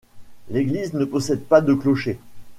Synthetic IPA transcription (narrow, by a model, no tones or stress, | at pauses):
leɡliznəpɔsɛd̪̚pad̪əklɔʃe